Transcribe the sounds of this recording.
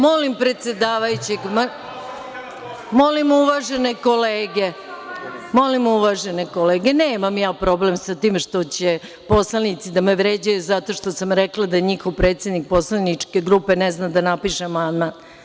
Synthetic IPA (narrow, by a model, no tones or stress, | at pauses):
mo̞limpɾe̞t̪sjed̪aːʋajut͡ɕeɡma | mo̞limuʋaʒeneko̞leːɡe | mo̞limuʋaʒenekoleːɡe̞neːmamjaːpɾo̞ble̞msat̪iːmʃt̪o̞t͡ɕe | po̞slanit̪sid̪ameʋɾeːd͡ʑajuzat̪o̞ʂt̪o̞samɾeklˠad̪aɲixoʋpɾeːt̪sjed̪nik̚po̞slanit͡ʂke̞ɡɾupe̞neznad̪anapiʃeamand̪man